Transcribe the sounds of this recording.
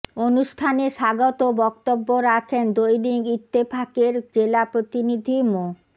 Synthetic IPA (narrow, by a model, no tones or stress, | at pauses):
onuʃʈʰaneʃaɡot̪obɔkt̪obːoɾakʰend̪ojɖiɡit̪ːepʰakeɾd͡ʑelapɾot̪inid̪ʱimo